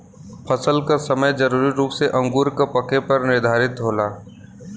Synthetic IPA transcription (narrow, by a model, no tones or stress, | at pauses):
pʰɐsəlkasɐməjd͡ʒɐɾuːɾiɾuːpseʔɐ̃ŋɡuːɾkapɐkepɐɾnɪɾd̪ʱaːɾɪt̪ɦoːlaː